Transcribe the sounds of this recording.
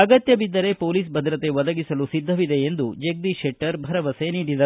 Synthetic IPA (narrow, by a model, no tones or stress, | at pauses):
ɐɡɐt̪jɐbid̪ːɐɾe̞poːliːs̬bʱɐd̪ɾɐt̪e̞ʋɐd̪ɐɡisɐlusid̪ʱːɐʋid̪e̞ːnd̪ud͡ʒek̚d̪iʃeʈːɐɾbʱɐɾɐʋɐse̞niːɽid̪ɐ